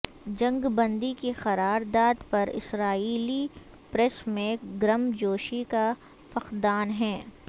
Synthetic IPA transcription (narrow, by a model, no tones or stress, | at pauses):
d͡ʒɐ̃ŋɡbɐ̃nd̪ikixɐɾaːɾd̪aːd̪pɐɾɪ̰sɾaːiːli | pɾɛsmẽɡɾɐmd͡ʒoːʃika | fɐxd̪aːnɦɛː